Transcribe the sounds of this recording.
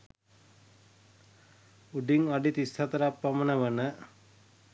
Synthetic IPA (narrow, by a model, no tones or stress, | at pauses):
uɖiŋaɖit̪ist̪ʰat̪əɾapːamənəʋənə